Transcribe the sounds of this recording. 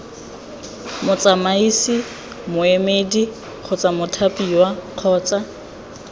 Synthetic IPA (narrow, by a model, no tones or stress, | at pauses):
mʊt͡sʼamaisi | mʊemedi | k͡xʰʊt͡sʼamʊtʰapʼiwaq͡χʰɔːt͡sʼa